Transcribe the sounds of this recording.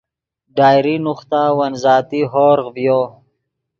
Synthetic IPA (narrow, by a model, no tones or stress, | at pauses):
ɖaːjɾinuχt̪awɐnzɑːt̪iɦoːɾʁvjo